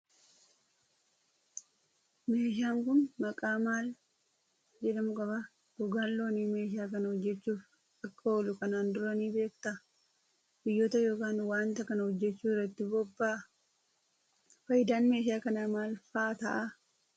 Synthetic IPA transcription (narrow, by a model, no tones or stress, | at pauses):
me̞ːʃɪaːŋkʊnmɐkʼaːmaːl | d͡ʒɛᶑ̪ɐmʊkʼɐbɐ | d̪ʊɡaːlːo̞ːniːme̞ːʃɪaːkɐnɐhɔd͡ʒːɛt͡ʃːuːf | ɐkːɐolʊkɐnaːnd̪ʊɾɐniːbe̞ːkt̪ɐ | bɪjːoːt̪ɐjo̞ːkaːnwaːnt̪ɐkɐnɐhɔd͡ʒːɛt͡ʃːuːɪrːɐt̪ːɪbɔbːaː | fɐjɪd̪aːnme̞ːʃɪaːkɐnamaːlfaːt̪ɐ̰ʔɐ